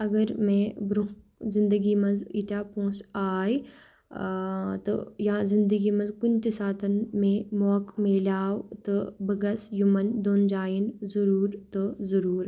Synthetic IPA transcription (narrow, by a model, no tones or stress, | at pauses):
ɐɡɐɾmẽbɾu | zɪ̃nd̪əɡimɐnzit̪aːpũːsaːj | t̪o̰jãzɪ̃nd̪əɡimɐnzkʊnt̪ɪsaːt̪ɐnmẽmɔːkmeːlaːwt̪ɐbɐɡɐsjumɐnd̪oːnd͡ʒaːjinzɐɾuːɾt̪ozɐɾuːɾ